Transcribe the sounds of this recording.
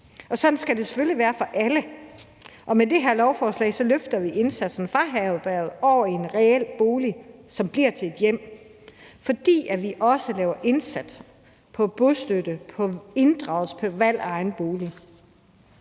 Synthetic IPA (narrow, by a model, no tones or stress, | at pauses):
ɒ̽sɒ̽d̥n̩sɡ̥æd̥e̝se̥føliʋæːɐfɒ̽ʔælə | ʔɒ̽med̥e̝ɦeɐ̰lɒʊfɒːslɛ̰ɪ̰sɒ̽løfd̥ɐʋiʔe̝nsæd̥sn̩fʁɑ̈ɦɛʊb̥æɐð̞̩ˠɒʊ̰ɐe̝nʁɛel̰b̥o̝ːlisɒ̽mb̥liɐ̰t͡sʰe̝e̝d̥jem̰ | fɒ̽d̥ḭːæʋiʔɒ̽səlɛːʊɐʔe̝nsæd̥s | pʰɒ̽b̥osd̥ød̥əpʰɒ̽e̝nd̥ʁɑ̈ʊl̩spʰɒʋæl̰ɑ̈ɪnb̥o̝ːli